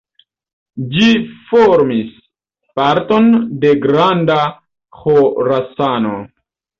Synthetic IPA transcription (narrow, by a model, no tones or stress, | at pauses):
d͡ʒifoɾmis | paɾto̞nde̞ɡɾanda | xoɾasano